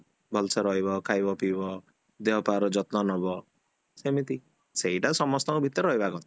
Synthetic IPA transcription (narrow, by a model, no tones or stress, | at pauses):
bʱɔlsɔɾɔɦibɔkʰajbɔpibɔ | d̪eɦɔpaɾd͡ʒɔt̪nɔnɔbɔ | semit̪i | seɦiʈasɔmɔst̪ɔŋkubʱit̪ɔɾɾɔɦibakɔ̃nt̪i